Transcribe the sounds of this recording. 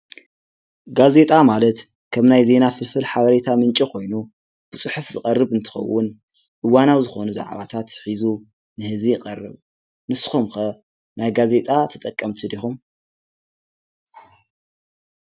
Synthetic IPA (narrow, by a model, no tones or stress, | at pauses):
ɡaze̞t̪ʼamalɐt̪ | kʰɐmnajze̞nafɨfɨlħaβɐɾet̪ʰamɨnt͡ʃʼikʰo̞jnu | b̥ɨt͡sʼɨħufzɨkʼɐrːɨβɨnt̪ʰɨ̥xɐ̰wːʊn | ʔɨwanawzɨxo̞nuza̰ʕβa̰t̪ʰat̪ħizu | nɨhɨzbijɪqʼɐrːɨ̰β | nɨsɨ̥xumxɐ | najɡaze̞t̪ʼat̪ʰɐt̪ʼɐkʼːɐmt̪ʰid̪ixum